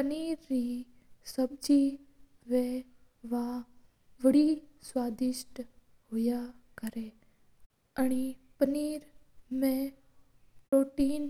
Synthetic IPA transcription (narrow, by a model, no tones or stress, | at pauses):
pəniːɾːi | səb̚d͡ʒi | ʋẽ | ʋa | ʋəɽiswaːd̪ɪʃʈ | ɦʊjakəɾe | əɽ̃ipəniːɾ | mẽ | pɾoːʈiːn